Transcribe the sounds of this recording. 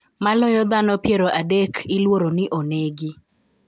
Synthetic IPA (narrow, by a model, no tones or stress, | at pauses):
malɔjɔd̪anɔpjeɾoʔadekʰɪlwoɾonɪʔoneɡɪ